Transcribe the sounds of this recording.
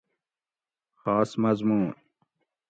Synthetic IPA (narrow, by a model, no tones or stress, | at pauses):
xɑːsmɐzmuːn